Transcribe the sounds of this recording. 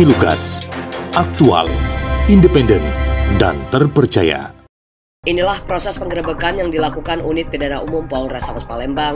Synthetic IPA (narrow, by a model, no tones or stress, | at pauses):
iluɡa̰sʔak̚t̪ua̰lindəpɛndɛnda̰nt̪ərpərt͡ʃaja̰ | ʔinilahpɾosɛspəŋɡəɾəbəkanjaŋdilakukanunɪt̪̚pidanaumʊmpɔlrasamaspalɛmbaŋ